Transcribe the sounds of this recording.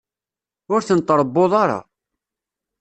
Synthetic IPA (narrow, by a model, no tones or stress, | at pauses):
ʊɾθənt̪ˤːɾˤəbːoðˤɑɾˤɑ̰